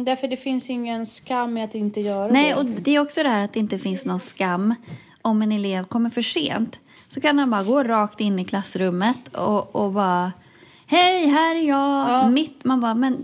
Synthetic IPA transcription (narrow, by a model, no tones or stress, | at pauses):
d̪æɾfəɖɛfɪnsɪŋːənskamːɛat̪ɪnt̪əjœːɾnɛɔd̪ɛæɾɔksɔd̪ɛhæːɾat̪̚d̪ɛɪnt̪əfɪnsnɔnskamː | ɔmɛnɛleːvkʰɔmːəɾfœʂḛːnt̪ | sɔkʰanmanbɑːɾaɡoːɾɑːkt̪ɪnːɪkʰlasːɾɵmːət̪ɔɔbɑː | hɛjɦæːɾjɑːmɪt̪manbɑːmɛn